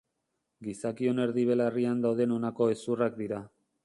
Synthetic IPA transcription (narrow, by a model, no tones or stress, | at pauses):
ɡisakio̞ne̞ɾðiβ̞e̞lariand̪awðe̞no̞nako̞esurak̚d̪iɾa